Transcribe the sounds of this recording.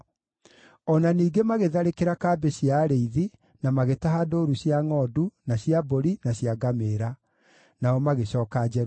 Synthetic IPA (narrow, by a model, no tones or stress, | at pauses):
ɔnaniːɡemaɣeðaɾekeɾakaːbeɕiaɾeiði | namaɣetaɦadoːɾuɕjaŋɔdunaɕjaboɾinaɕjaɡameɾa | naɔmaɣeɕɔːkad͡ʑɛɾ